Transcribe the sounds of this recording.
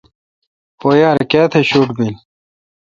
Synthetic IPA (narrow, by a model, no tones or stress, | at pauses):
pojaːɾkaːt̪ʰeɕuːʈbil